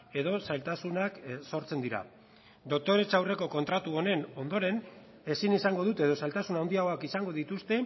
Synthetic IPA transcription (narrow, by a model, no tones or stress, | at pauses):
e̞ð̞o̞sajlt̪asunakso̞ɾt͡se̞nd̪iɾa̰ | d̪o̞k̚t̪o̞ɾe̞t͡ʃawre̞ko̞ko̞nt̪ɾat̪uo̞ne̞no̞nd̪o̞ɾe̞n | e̞sinisaŋɡo̞ðut̪e̞ðo̞salt̪asunawnd̪iaɣo̞akisaŋɡo̞ðit̪ust̪e̞